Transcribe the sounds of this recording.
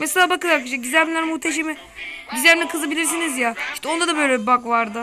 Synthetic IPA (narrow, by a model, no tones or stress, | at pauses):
meselʲaːbakɯlˠaɾakiʃɛɟyzæɾmilʲæɾmuht̪ʰeʃ̬emi | ɟizæɾmnʲɛkʰɯzabilʲiɾs̬inizjaiʃt̪ɛo̞nd̪ad̪abø̞jlʲɛbakvaɾd̪ɯ